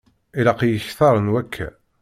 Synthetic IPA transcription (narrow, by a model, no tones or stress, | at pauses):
ilɑqjəçθɑɾˤənwækʰːæ̰